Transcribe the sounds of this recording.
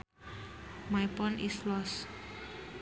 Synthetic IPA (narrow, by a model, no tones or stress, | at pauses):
majpɔnʔislɔs